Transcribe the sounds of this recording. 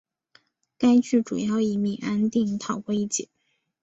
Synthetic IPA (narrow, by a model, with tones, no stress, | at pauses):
ka˥ɪt͡ɕy˥˩ʈ͡ʂṵ˨˩jɑ˥˩ʊi˧˩mi˨˩ʔa˥nt̪i˥˧ŋt̪ʰɑ˨˩ʊkwɔ˥˧i˥˩t͡ɕɛ̰˨˩˦